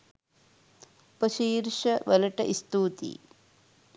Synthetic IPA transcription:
pɐʃiːɾʂɐʋɐlɐʈɐʔist̪uːt̪ḭ

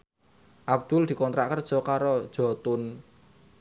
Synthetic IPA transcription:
ʔabd̪̥ʊld̪̥i̤kɔnt̪ɾaʔkərd̥ʒ̥ɔ̤kaɾod̥ʒ̥ɔ̤t̪ʊn

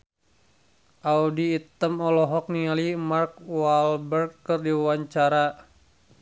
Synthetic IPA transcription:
ʔaudiːt̪əmɔlɔɦɔk̚nialimark̚walbərɡkərdiwaɲt͡ʃaɾa

